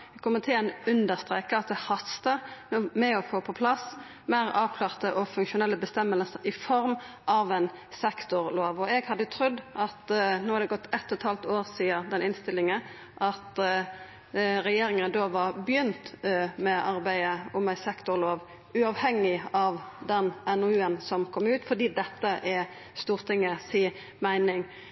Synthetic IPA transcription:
ɛkʰɔmːət̪ʰɪlɛnʉnd̪əʁst̪ɾeːkəɑt̪̚d̪ɛhɑst̪əmɛɔfoːpʰɔpʰlɑs | mæɪʁɑːʋkʰlɑːʁt̪əʔɔfʉŋkʃʊnɛlːəbəst̪ɛmːəlsəɾɪfɔɾm | ʔɑʋæn | sɛkt̪ʊɾloːʋɔɛɡhɑd̪ːət̪ʰɾʉd̪ʔɑt̪noːhɑɾd̪ɛɡɔt̪ːɛt̪ʰːɔt̪hɑlt̪oːɾsiːəd̪ɛnɪnst̪ɪlːɪŋə | ʔɑt̪ | ɾɛjeːɾɪŋənd̪oːʋɑɾbjʏnt̪mɛʔɑɾbæɪəʊmæɪsɛkt̪ʊʁloːʋ | ʉɑʋhɛŋɪɑʋd̪ɛnɛnɔʉːənsɔmkʰɔmʉːt̪fɔd̪iːd̪ɛt̪ːəʔɛ | st̪uːʁt̪ʰɪŋːəsiː | mæɪnɪŋ

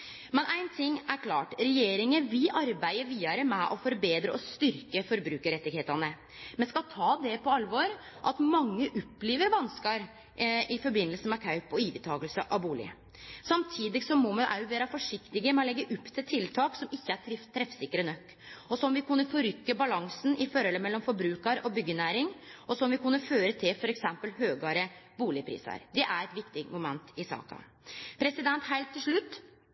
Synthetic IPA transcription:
mɛnʔæɪnt̪ʰɪŋːæɾkʰlɑːʈɾɛjeːɾɪŋəʋɪlʔɑɾbæɪəɾʋiːɑɾəmɛʔɔfɔɾbeːd̪ɾəʔɔst̪ʏɾkəfɔɾbɾʉːkəɾɛt̪ːɪɡheːt̪ɑnə | mɛnskɑlt̪ʰɑːd̪ɛpʰɔɑlʋɔɾ | ʔɑt̪mɑŋːəʔʊpːleːʋəɾʋɑnskɑɾ | ɪfɔɾbɪnːəlsəmɛkʰɑʉpɔiːʋət̪ʰɑːɡəlsəʔɑʋbuːlɪ̰ə̰ | sɑmt̪ʰiːd̪ɪɡsɔmːɔmɛd̪æ̰ʊʋeːɾɑfɔʂɪkt̪ɪɡəmɛlɛɡːəʔʊpːt̪ʰɪlt̪ʰɪlt̪ʰɑːksɔmɪçːəæʈʰɾɪt̪ʰːɾɛfsɪkːəɾənœkː | ɔsɔmʋɪkʉnːəfɔɾʏkːəbɑlɑŋsn̩ɪfɔɾhɔlːəmɛlːɔmfɔɾbɾʉːkɑɾɔbʏɡːənæːɾɪŋɔsɔmʋɪkʉnːəføːɾət̪ʰɪlfɔɾɛksɛmpəlhøːɡɑɾəbuːlɪəpʰɾḭːsɑ̰ɾd̪ɛʔæɾɛt̪ʋɪkt̪ɪmʊmɛnt̪ɪsɑ̰ːkɑ̰ | pʰɾɛsɪd̪ɛnt̪ɦæɪlt̪ʰːɪlʂɭʉt̪ː

